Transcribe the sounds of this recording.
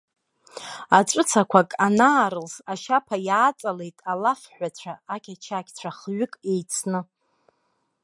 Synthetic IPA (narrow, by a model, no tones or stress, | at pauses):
aʈ͡ʂʼɨt͡sʰakʷʰakʼanaːɾɨlsaʃapʰajaːt͡sʼale̞jtʼalafħʷat͡ɕʷʰaːkʲʰat͡ʃʰakʲʰʼt͡ɕʷʰaχɥʏkʼe̞jt͡sʰnɨ